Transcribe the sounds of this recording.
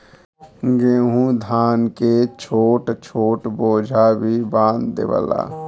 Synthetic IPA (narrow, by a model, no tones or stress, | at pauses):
ɡeːɦũd̪ʱaːnket͡ʃʰoːʈt͡ʃʰoːʈboːd͡ʒʱabʱibãːnd̪d̪ḛʋə̰la̰ː